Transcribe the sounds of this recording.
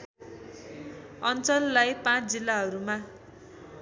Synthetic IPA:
ʌnt͡sʌlːajpãt͡sʰd͡zilːaɦʌɾuma

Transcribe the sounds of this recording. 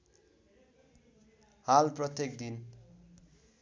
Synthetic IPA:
halprʌt̪jekd̪in

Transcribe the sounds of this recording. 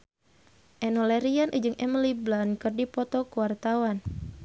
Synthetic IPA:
ʔɛnɔlɛɾianʔɨd͡ʒɨŋʔɛmliblankɨrdipɔt̪ɔkuwart̪awan

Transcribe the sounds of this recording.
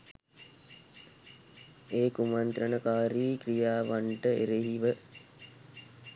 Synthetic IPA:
eːkumant̪ɾənəkaːɾiːkrijaːʋaɳʈəeɾeɦiʋə

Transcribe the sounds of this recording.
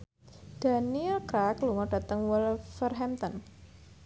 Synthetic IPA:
d̥a̤niɛlkɾakluŋɔɖ̥ä̤t̪əŋwilfərɦɛmt̪ɔn

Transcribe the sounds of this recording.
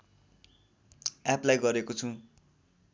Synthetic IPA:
aplajɡʌɾekot͡sʰũ

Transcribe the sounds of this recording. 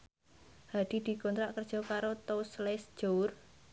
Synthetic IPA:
had̪̥i̤d̪̥i̤kɔnt̪ɾaʔkərd̥ʒ̥ɔ̤kaɾot̪oslɛsʒ̥oʊr

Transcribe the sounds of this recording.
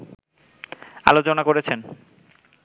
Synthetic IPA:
a̰lot͡ɕonakoɾet͡ɕʰen

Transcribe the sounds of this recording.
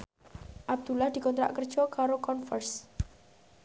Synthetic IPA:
ʔab̚d̪̥ṳlahd̪̥i̤kɔnt̪ɾa̰ʔkərd̥ʒ̥ɔkaɾokɔnfərs

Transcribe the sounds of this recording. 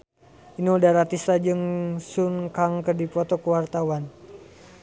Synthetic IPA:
iniudaɾat̪isad͡ʒɨŋsuŋkaŋkərdipɔt̪ɔkəwart̪awan

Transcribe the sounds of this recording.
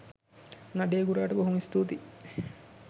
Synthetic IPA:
naɖeːɡuɾaːʈəboɦumist̪uːt̪i

